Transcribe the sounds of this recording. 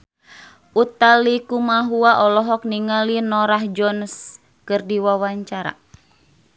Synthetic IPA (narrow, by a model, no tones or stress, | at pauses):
ʔut̪alikumaɦuaʔɔlɔɦɔk̚niŋalinɔɾahd͡ʒɔns | kɨrdiwawaɲt͡ʃaɾa̰